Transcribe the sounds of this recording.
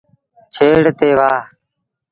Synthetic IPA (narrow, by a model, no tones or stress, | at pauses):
t͡ʃʰeːɽt̪eːʋaː